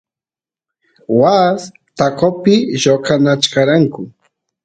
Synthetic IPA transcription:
was | t̪akopɪʒokanat͡ʃkaɾaŋkʊ

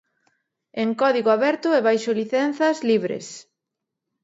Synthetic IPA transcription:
eŋkɔðiɣʊaβɛɾt̪ʊɛβajʃoliθɛnθɐzliβɾḛs

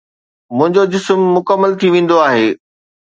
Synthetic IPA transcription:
mʊ̃ɦɪ̃ɲd͡ʑod͡ʑɪsmːʊkəmːəlt̪ʰiʋẽːn̆d̪oaːɦeː

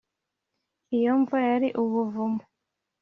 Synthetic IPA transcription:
ijoɱvajaɾiʔuβuvumu

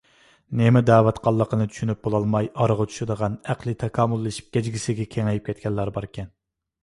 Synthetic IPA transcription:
nemɪd̪æːwɛt̪qɑlˠːəqənɨt̪ʰy̥ʃynyp̚bolˠɑlˠmɑjɑɾəʁɑt͡ʃ̪ʰy̥ʃɪd̪əʁɑnæqlˠɨt̪ʰɑkʰɑːmulˠːɨʃi̥p̚ɡʲɛd͡ʒɡʲisɪɡʲɛkʲʰeŋɛjip̚kʲʰɛt̪̚kʲʰɛlːɑɾbɑɾkʲʰɛn

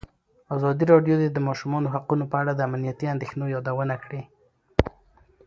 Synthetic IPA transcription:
azɑd̪iɾɑɖjod̪ed̪əmɑʃumɑnoɦaqunopəaɽad̪əamnijat̪iand̪exnojɑd̪awənakɽi

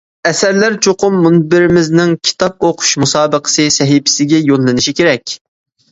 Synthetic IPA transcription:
ɛsæɾlæɾt͡ʃʰoqʰʊmːunbɪɾɪmɪznɪŋkʲʰi̥t̪ʰɑp̚oqʰʊ̥ʃmusɑːbəqʰə̥sɨsɛɦipʰɪ̥sɪɡʲɛjonlˠɨnɨʃikʲʰeɾɛkʲ

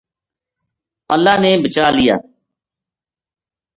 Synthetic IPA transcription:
əlːaːnẽːbət͡ʃaːlɪja̰ː

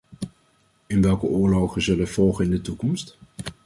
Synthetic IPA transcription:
ɪnʋɛlˠkəʊːɹlowχənzɵlənv̥ɔlˠχənɪndətukɔmst

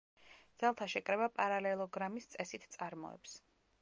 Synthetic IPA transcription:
d̪z̥alˠt̪ʰaʃɛkʼɾɛbapʼaɾalɛlˠɔɡɾamist̪sʼɛsit̪ʰt̪sʼaɾmɔ̰ɛ̰ps

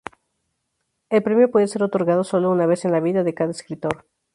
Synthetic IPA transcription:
elpɾe̞mjo̞pwe̞ðese̞ɾot̪o̞ɾɣað̞o̞so̞lounaβ̞e̞se̞nlaβ̞iðaðe̞kaðaeskɾit̪o̞ɾ

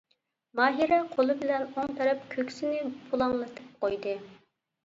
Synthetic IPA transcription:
mɑːɦiɾɛqʰolˠɨbɪlɛnoŋt̪ɛɾɪpkʲʰøkʲsɪnɪbulˠɑŋlˠɨt̪ʰɨ̥p̚qojd̪ɨ

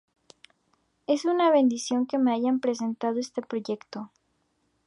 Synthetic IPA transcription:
e̞sunaβe̞nd̪isjo̞ŋke̞me̞aʝampɾe̞s̬e̞nt̪aðoe̞st̪e̞pɾo̞ʝe̞kt̪o̞

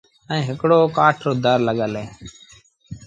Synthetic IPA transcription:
əĩːɦɪkɽoːkaːʈʰɾoːd̪əɾləɠəlẽː

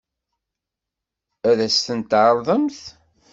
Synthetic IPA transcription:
æðæsθənt̪ːʕəɾˤðˤəmθ

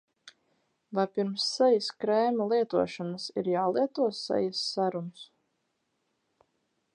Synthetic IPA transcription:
lajpiɾmsːɛjaskɾɛːmalˠiɛt̪uɔʃanasiɾjaːlˠiɛt̪uɔsːɛ̰jasːaɾuns

